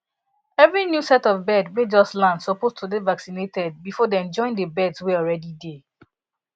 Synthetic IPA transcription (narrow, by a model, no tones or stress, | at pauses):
ɛvɹinjusɛtɔvbɛdwed͡ʒɔslãndsɔpoztʰudevaksinetɛd̚bifɔdeɛ̃d͡ʒɔ̃ɪ̃ndəbɛdsweɔlɹɛdide